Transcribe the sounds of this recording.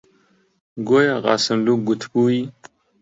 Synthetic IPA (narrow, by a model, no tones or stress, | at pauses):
ɡojaʁɑ̰ːsəmluɡut̪ʰpui